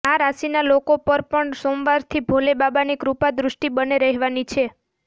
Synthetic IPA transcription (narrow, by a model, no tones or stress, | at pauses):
aɾasinalokopəɾpəɳsomʋaɾt̪ʰibʱolebabanikɾupad̪ɾʊʃʈibəneɾəɦeʋanit͡ʃʰe